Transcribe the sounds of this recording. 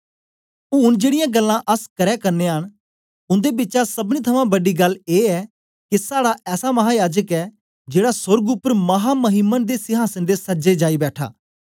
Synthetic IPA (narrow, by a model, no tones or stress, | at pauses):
ʊːʊnd͡ʒeːɽɪjãːɡəlːãːʔəskəɾɛːkəɾneɦəɳ̃ | ʊ̃nd̪eːbɪtːʃasəbñĩt̪ʰəmãːbəɖiːɡɐlːeːɛː | kɪsaːɽaʔɛːsamɐɦaːjaːd͡ʒəkɛː | d͡ʒeːɽasʊɾɡʊpːəɾmɐɦaːməɦɪmənd̪eːsɪɦaːsənd̪eːsəd͡ʒed͡ʒaːibɛːʈʰa̰ː